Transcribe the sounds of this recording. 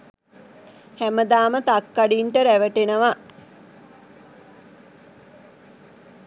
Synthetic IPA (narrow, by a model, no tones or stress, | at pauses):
hæməd̪aːmət̪akːaɖiːɳʈəɾæʋəʈenəʋa